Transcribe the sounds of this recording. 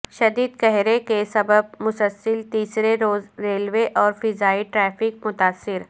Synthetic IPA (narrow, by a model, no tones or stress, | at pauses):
ʃɐd̪iːd̪̚kɛɦɾekesɐbəb̚mʊsəlsəlt̪iːsɾeɾoːzɾeːlweʔɔːɾfɪzaːiʈɾɛːfɪk̚mʊt̪aːsːɪɾ